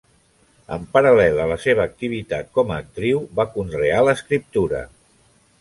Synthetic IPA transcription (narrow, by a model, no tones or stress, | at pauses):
ə̰mpəɾəlɛlələseβ̞əːk̚t̪iβ̞it̪at̪̚kɔməːk̚t̪ɾiwβakunrealəskɾip̚t̪uɾə̰